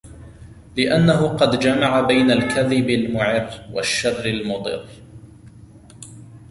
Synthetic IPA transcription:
lɪʔanːaɦʊqɑd̪d͡ʒamaʕabajnalkaðɪbalmʊʕɪɾwa̰ʃːarːɪlmʊd̪ˤɨ̰ɾː

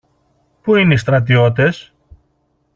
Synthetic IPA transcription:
puineist̪ɾɐt̪̬io̞t̪̬e̞s

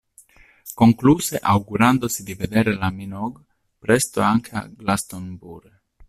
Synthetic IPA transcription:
koŋkluseʔawɡuɾand̪osid̪ived̪eɾelaminoɡ | pɾest̪oaŋkʰea̰ɡlast̪onbuɾ

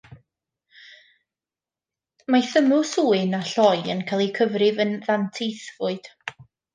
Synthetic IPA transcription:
maθəmʊsuːɨnaɬɔjə̰nkʰajlˠikʰəvrɪvənðantʰejθvʊɨd̥

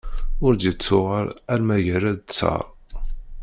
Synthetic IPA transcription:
ʊɾd̪jət͡sːʊʁəɾæɾmæjəɾæd̪t͡sːɑ̰ɾˤ

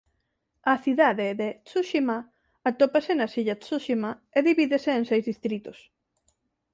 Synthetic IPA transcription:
ɐθiðaðeðet͡suʃima | at̪opasenasiʎasuʃimaeðiβiðeseːŋsejzðist̪ɾit̪os

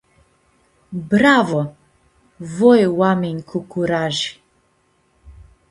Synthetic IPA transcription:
bɾavɔ | vɔjwamiɲkʰukuɾaʒi̥

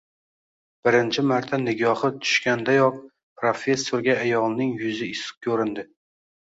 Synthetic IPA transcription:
b̥ɪɾɪnt͡ʃʰɪmaɾt̪ʰanɪɡʲɒhɨt̪ʰʊ̥ʃkʲand̪ajɒq̚ | pɾofe̞sːoɾɡʲaːjɒlˠnɪŋjʊzɪɪsɨ̥q̚kʲʰɵɾɪnd̪ɪ

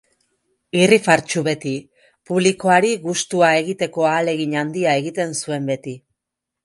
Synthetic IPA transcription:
irifaɾt͡ʃuβe̞t̪i | puβliko̞aɾiɣust̪uae̞ɣit̪e̞ko̞aːle̞ɣiɲand̪iaeɣit̪e̞nsue̞mbe̞t̪i

